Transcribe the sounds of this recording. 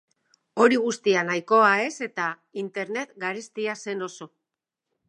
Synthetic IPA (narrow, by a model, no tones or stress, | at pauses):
o̞ɾiɣ̞ust̪ianajko̞ae̞se̞t̪a | int̪e̞ɾne̞t̪ɡaɾest̪iase̞no̞so̞